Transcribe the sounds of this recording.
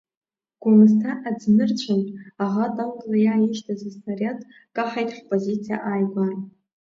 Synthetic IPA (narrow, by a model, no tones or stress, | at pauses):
ɡ̥ʊnɨstʰaʔad͡znɨrt͡ɕʷʰanʼaʁatʼamɡʼlajaːjiʒtʰazɨsnarʲjad | kʼaħajtʼħpʼozit͡sʰija̰ʔaːjɡʷan